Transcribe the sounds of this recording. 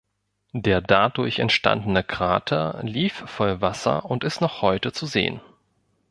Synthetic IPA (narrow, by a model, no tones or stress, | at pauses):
d̥eːɐdadʊɐçɛ̰ntʃta̰ndən̩əkʁ̥a̰ːtʰɐliːffɔlvasɐ̰ʊntɪstnɔχhɔʏtət͡suzḛːə̰n